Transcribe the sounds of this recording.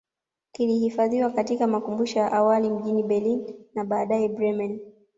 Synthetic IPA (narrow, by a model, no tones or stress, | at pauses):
kilihifaðiwakatikamakumbuʃɔjaʔawalim̩ʄiniɓɛlinːaɓaːɗaɛbɾɛman